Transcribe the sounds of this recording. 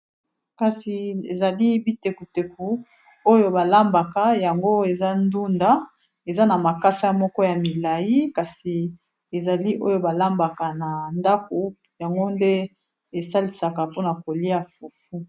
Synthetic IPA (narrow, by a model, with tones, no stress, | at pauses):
ka˨si˨ḛ˨za˨li˦bi˦te˨ku˨te˨ku˨ | o˦jo˦ba˨la˦mba˨ka˨ja˨ŋɡo˦e˨za˦ndu˦nda˦ | e˨za˦na˨ma˨ka˦sa˦mɔ˦kɔ˦ja˨mi˨la˨ji˦ka˨si˨ | e˨za˨li˦ʔo˦jo˦ba˨la˦mba˨ka˨na˨nda˦ko˨ | ja˨ŋɡo˦nde˦ | e˨sa˦li˨sa˨ka˨po˦na˨ko˨li˦a˨fu˨fu˦